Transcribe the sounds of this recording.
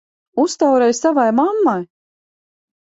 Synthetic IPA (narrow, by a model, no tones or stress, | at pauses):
ust̪awɾɛjssavajmamːaj